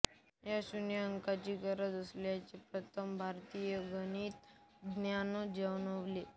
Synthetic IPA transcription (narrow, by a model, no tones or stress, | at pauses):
jaɕunjəəŋkat͡ɕiːɡəɾəd͡z̪əsljat͡ɕepɾət̪ʰəmbʱaɾt̪ijəɡəniːt̪ | ɡnjanod͡ʑəʋnoʋle